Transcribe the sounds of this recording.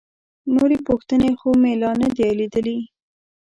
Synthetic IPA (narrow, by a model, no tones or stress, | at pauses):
noɾepoxt̪ənexomelɑnad̪ealed̪əli